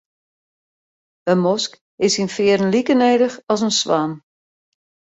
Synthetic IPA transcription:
əmɔsk | ɪsinfɪːəɾən̩likəneːdəxɔsənsʋaːm

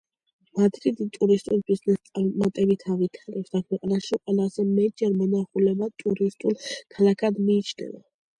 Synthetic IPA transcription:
mad̪ɾid̪it̪ʼuɾist̪ʼulbiznɛst̪sʼaɾmat̪ʼɛbit̪ʰavit̪ʰaɾɛpsd̪akʰwɛqʼanaʃiqʼwɛlazɛmɛt̪ʼd͡ʒɛɾmɔnaχulɛbat̪ʼuɾist̪ʼulkʰalakʰad̪miːt͡ʃʰnɛ̰va̰

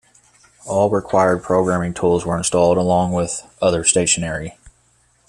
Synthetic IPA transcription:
ɔlˠɹɪkʰw̥aɪə˞d̚pʰɹ̥oʊɡɹæ̃mɪ̃ŋtʰulˠzwə˞ɨ̃nstɔlˠdəlɔ̃ŋwɪðʔʌðə˞steɪʃɨnɛɹi

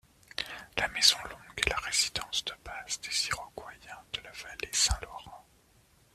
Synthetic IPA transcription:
lamɛzɔ̃lɔ̃ɡɛlaʁezid̪ɑ̃sd̪əbasd̪eziʁɔɡwajɛ̃d̪̥əlavalesɛ̃lɔʁɑ̃

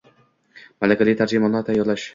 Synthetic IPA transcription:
malakʲʰalɪt̪ʰaɾd͡ʒɪmanat̪ʰajːɒɾlaʃ

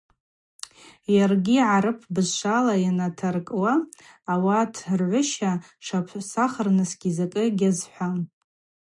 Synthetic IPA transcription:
jarɡʲiʕaɾɨpʰbɨzʃʷalajanatʰarkʼwaːwatʰrʕʷʊʃa | ʂapʰsaχərnɨsɡʲizakʼɨɡʲazħʷa

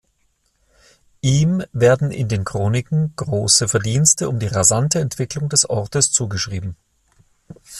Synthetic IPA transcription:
ʔiːmveːɐdn̩ɪ̰ndeːnkʁ̥oːnɪkŋ̩ɡ̥ʁoːsəfɛɐdiːnstəʊmdiːʁazantəɛntv̥ɪklʊŋdɛsʔɔʁtəst͡suːɡəʃʁ̥iːbm̩

